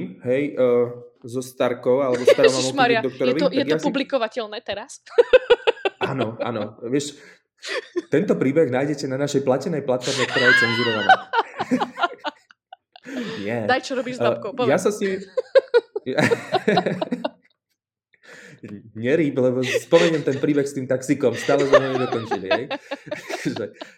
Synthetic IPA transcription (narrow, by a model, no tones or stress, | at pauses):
mɦɛj | zɔst̪aɾkɔʊalɛbɔst̪aɾɔmamɔmaɾiad̪ɔk̚t̪ɔɾjɛɔʋiɔkj̪ɛaɡjɔaspublikɔʋacɛlnɛːt̪ɛɾas | ʔanɔʔa̰nɔʋɪɛʃ | t̪ɛnt̪ɔpɾiːbɛɣnaːjɟɛcɛnanaʃɛjplacɛnɛjplat̪fɔɾmɛk̚t̪ɔɾaːjɛt͡sɛnzuɾɔʋanaː | ɲɪɛd̪ajt͡ʃɔɾɔbiːʒzɔkɔjasasɲim | ɲɛɾiːblɛbɔspɔmɛɲɛmt̪ɛnpɾiːbɛxst̪iːmt̪aksikɔmst̪aːlɛzɲɛmɛd̪ɔkɔnt͡ʃiliɦɛj | ʒɛ